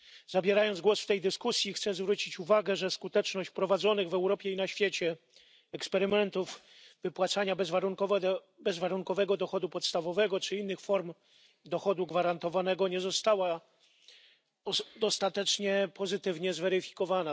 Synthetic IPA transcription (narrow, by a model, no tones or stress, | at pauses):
zabʲjɛɾajɔnd̪zɡwɔsft̪ɛjd̪ɘskusʲjixt̪sɛzvɾut͡ɕit͡ɕuvaɡɛʐɛskut̪ɛt͡ʂnɔɕt͡ɕpɾɔvad̪zɔnɘɣvɛwɾɔpʲjɛinaɕfʲjɛt͡ɕɛ | ɛkspɛɾɘmɛnt̪uv | vɘpwat̪saɲabɛzvaɾuŋkɔvɛ | bɛzvaɾuŋkɔvɛɡɔd̪ɔxɔd̪upɔt̪st̪avɔvɛɡɔt͡ʂɘinːɘxfɔɾm | d̪ɔxɔd̪uɡvaɾant̪ɔvanɛɡɔɲɛzɔst̪awa | ɔd̪ɔst̪at̪ɛt͡ʂɲɛpɔzɘt̪ɘvɲɛzvɛɾɘfʲi̥kɔvana